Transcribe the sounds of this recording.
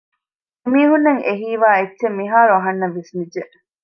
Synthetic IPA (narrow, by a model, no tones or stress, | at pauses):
emiːɦunːɐŋʔeɦiːʋaːetːʃemːiɦaːɾuɐɦɐnːɐʋisnid͡ʒe